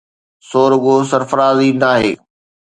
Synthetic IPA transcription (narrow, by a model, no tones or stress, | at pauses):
soːɾʊɠos̬ɐɾfɾaːzinaːɦḛː